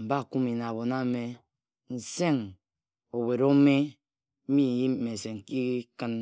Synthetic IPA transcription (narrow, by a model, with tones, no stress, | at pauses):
m̩˨ba˦˨ku˦mi˨na˨bo˨na˦me˦ | n̩˨se˦ŋ | o˨we˨ɾo˦me˦ | m̩˦mi˦˨ji˦me˨se˨ŋ˨ki˦kɨ˦n